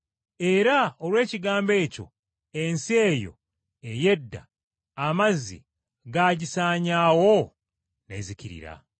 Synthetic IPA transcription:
e̞ɾaolwe̞ːciɡaːmbe̞ːco̞̰ | ensie̞ːjo̞̰ | eje̞dːa̰ː | mazḭ | ɡaːɟisaːɲaːwo̞ | ne̞̰ːziciɾḭɾa̰

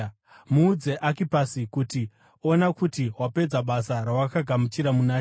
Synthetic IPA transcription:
muːd͡ze̞ʔakipasikuti | o̞nakutiɦwape̞d͡zaɓasaɾawakaɡʱamut͡ʃiɾamunaː

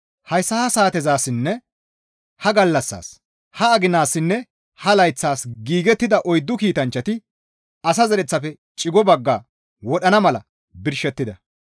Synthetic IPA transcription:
hɐjsːɐhɐsaːt̪ɛzaːsɪnːɛ | hɐɡɐlːɐsːa̰ːs | hɐɐɡɪnaːsːɪnːɛ | hɐlɐjt͡sːaːsɡiːɡɛt̪ːɪd̪ɐʔɔjd̪ːʊkiːt̪ɐnt͡ʃːɐt̪ɪ | ɐsɐzɛɾɛt͡sːɐfɛ | t͡ʃʼɪɡɔbɐɡːaː | wɔɗɐnɐmɐlɐ̰ | bɪɾʃɛt̪ːɪd̪ɐ

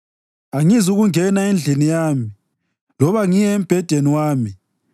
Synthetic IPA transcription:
aŋizuɣuŋɛnaend͡ɮʱinijaːmi | lɔβaŋijɛem̩b̥ʱɛd̥ʱeniwaːmi

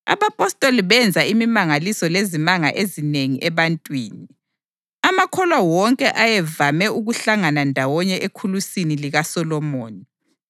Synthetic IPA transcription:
a̰βapʼɔstʼoliβɛnd͡zʱaimimaŋalisɔlezimaŋaʔezineŋiʔɛβantʼwiːni | amakʰɔlwawɔŋkʼɛʔajɛvamɛuɣuɬaŋanandʱawɔɲɛʔekʰulusiniliɣasɔlɔmoːni

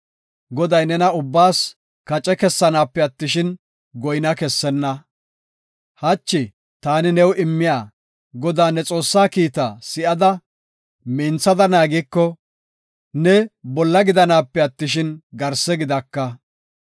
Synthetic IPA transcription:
ɡɔd̪ɐjnɛnɐʊbːaːs | kɐt͡ʃʼɛkɛsːɐnaːpːɛɐt̪ːɪʃɪn | ɡɔjnɐkɛsːɛnːɐ | hɐt͡ʃːɪ | t̪aːnɪnɛwɪmːɪjaː | ɡɔd̪aːnɛt͡sʼo̞ːsːaːkiːt̪asɪʔɐd̪ɐ | miːnt͡sːɐd̪ɐnaːɡikːɔ | nɛbɔlːɐɡɪd̪ɐnaːpːɛɐt̪ːɪʃ̬ɪnɡɐɾsɛɡɪd̪ɐkːɐ

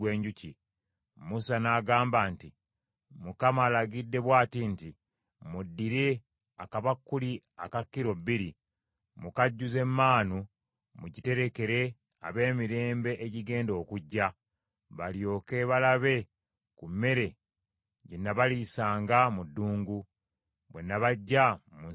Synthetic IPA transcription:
weːɲɟuci | musanaːɡaːmbaːnti | mukamaːlaɡidːe̞βwaːtinti | mudːiɾe̞ | akaβakːuli | akakːiɾo̞bːiɾi | mukaɟːuze̞mːaːnu | muɟite̞ɾe̞ke̞ɾe̞ | a̰βe̞ːmiɾe̞ːmbe̞ʔeɟiɡe̞ːndo̞ːkuɟːa | βaljo̞ːke̞βalaβe̞ | kumːe̞ɾe̞ | ɟenːaβalisaːŋɡamudːuːŋɡu | βwe̞nːaβaɟːamu

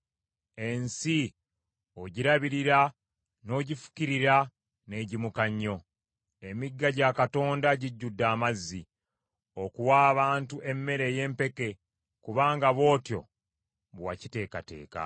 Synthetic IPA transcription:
e̞nsi | oɟiɾaβiɾiɾa | no̞ːɟifu̥ciɾiɾa | ne̞ːɟimukaɲːo̞ | e̞miɡːaɟakato̞ːndaɟiɟːudːaːmazːi | okuwaːβaːntuʔe̞mːe̞ɾe̞je̞ːmpe̞ke̞ | kuβaːŋɡaβo̞ːtjo̞̰ | βwacite̞ːkate̞̰ːka̰

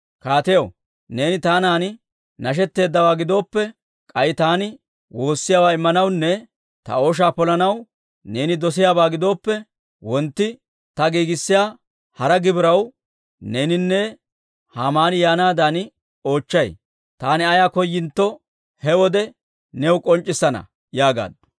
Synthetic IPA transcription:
kaːt̪ɛjɐw | ne̞ːnɪt̪aːnaːnɪ | nɐʃ̬ɛt̪ːe̞ːd̪ːɐwaːɡɪd̪o̞ːpːɛ | kʼɐjɪt̪aːnɪ | wo̞ːsːɪjaːwaːɪmːɐnɐwnːɛ | t̪ɐ̰o̞ːʃ̬aːpɔlɐnɐw | ne̞ːnɪd̪ɔs̬ɪjaːbaːɡɪd̪o̞ːpːɛ | wɔnt̪ːɪ | t̪ɐɡiːɡɪsːɪjaː | hɐɾɐɡɪbɪɾɐw | ne̞ːnɪnːɛ | haːmaːnɪjaːnaːd̪an | o̞ːt͡ʃːɐj | t̪aːnɪɐjaːkɔjːɪnt̪ːɔ | hɛwɔd̪ɛ | nɛwkʼɔnt͡ʃʼːɪsːɐnɐ̰ | jaːɡa̰ːd̪

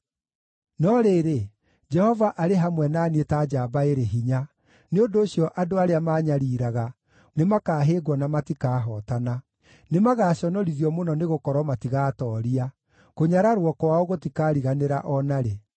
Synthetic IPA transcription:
nɔɾeːɾe | d͡ʒɛhɔvaʔaɾeɦamwɛnaːnietad͡ʒaːbaeɾeɦiɲa | neondoːɕjɔʔadoaɾeamaːɲaɾiːɾaɣa | nemakaːɦeːɡwɔnamatikaːɦɔtana | nemaɣaːɕɔnɔɾiðjɔmonɔneɣokɔɾwɔmatiɣaːtɔːɾia | koɲaɾaɾwɔkɔwaoɣotikaːɾiɣaneɾa̰ʔɔnaɾe

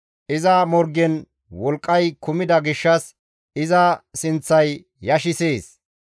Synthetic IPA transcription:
ʔɪzɐmɔɾɡɛn | wɔlkʼːɐjkʊmɪd̪ɐɡɪʃːɐs | ɪzɐsɪnt͡sːɐjː | ɐʃɪseːs

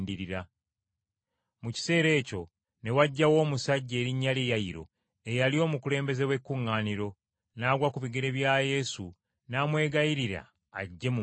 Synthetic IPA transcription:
ndiɾiɾa | muci̥se̞ːɾe̞ːco̞ | ne̞waɟːawo̞ːmusaɟːeːɾiɲːalejaiɾo̰ | e̞jalio̞ːmukule̞ːmbe̞ze̞we̞kːuŋːaːniɾo̞ | naːɡwakuβiɡeɾe̞βjaːje̞su | naːmwe̞ːɡajiɾiɾa̰ː | ɟːe̞mu

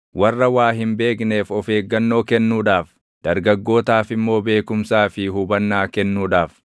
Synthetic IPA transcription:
wɐrːɐwaːɦɪmbe̞ːkne̞ːfɔfe̞ːɡːɐnːo̞ːkɛnːuːᶑaːf | d̪̥ɐɾɡɐɡːo̞ːt̪aːfɪmːo̞ːbe̞ːkʊmsaːfɪɦʊbɐnːaːkɛnːuːᶑaːf

